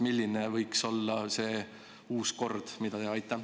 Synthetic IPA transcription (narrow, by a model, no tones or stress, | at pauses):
milʲːinevɤjkso̞lːɑse̞ː | uːsko̞rd̪̥mid̪̥ɑd̪eɑjt̪ˑːɑ